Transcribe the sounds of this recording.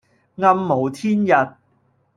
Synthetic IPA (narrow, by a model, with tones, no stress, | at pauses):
ŋɐ˧mːo˨˧wt̪ʰiː˥njɐ˨t̚